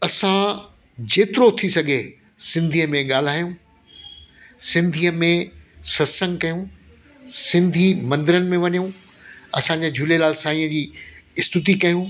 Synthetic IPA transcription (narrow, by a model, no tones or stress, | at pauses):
ɐsã | d͡ʑeːt̪ɪɾot̪ʰisɐɡʱe | sɪ̃nd̪ʱiːəmẽɠaːl̤aːijũː | sɪ̃nd̪ʱiːəmẽsɐsə̃ŋɡkɐjũ | sɪ̃nd̪ʱimɐ̃nd̪ɪɾənɪ̆mẽʋɐɲijũ | ɐ̰sãɲd͡ʑeːd͡ʑʱʊlelaːlsaːĩːə̃d͡ʑiːɪst̪ɪt̪̬ikɐjũː